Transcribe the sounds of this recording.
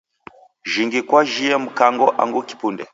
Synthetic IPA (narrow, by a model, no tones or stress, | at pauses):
ʒiŋɡikwaʒijemukaŋɡɔʔa̰ŋɡuki̥pundɛ